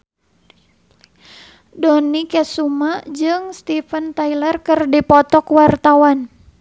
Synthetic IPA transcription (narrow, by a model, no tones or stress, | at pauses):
dɔnikɛsumad͡ʒɨŋst̪ifənt̪ailərkɨrdipɔt̪ɔkwart̪awan